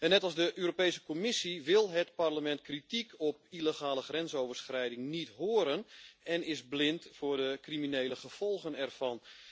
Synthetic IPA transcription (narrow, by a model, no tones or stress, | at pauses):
ɛnːɛtɑlˠzdəʔøːɾopejsə̥komɪsiʋɪlˠɦətparləmɛntkritikʰɔpiləχaːləxrɛnsowvərsxrɛjdɪŋnitɦoəɾənɛnɪzblɪntfʊːrdəkriminejləχəv̥ɔlˠχənɛrv̥ɑn